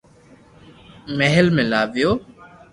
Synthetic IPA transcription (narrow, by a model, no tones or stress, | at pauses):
meɦəlmẽːlaːʋɪjoː